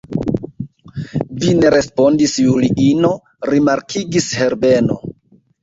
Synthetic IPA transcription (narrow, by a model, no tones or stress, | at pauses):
vine̞ɾe̞spo̞ndisjuliʔino̞ | ɾimaɾkʰiɡishe̞ɾbe̞no̞